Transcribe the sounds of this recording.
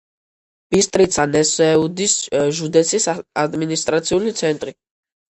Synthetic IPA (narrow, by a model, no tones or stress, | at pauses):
b̥ist̪ʼɾit̪sʰanɛsɛud̪isʒud̪ɛsʰisad̪minist̪ʼɾat̪sʰiulit̪sʰɛnt̪ʼɾi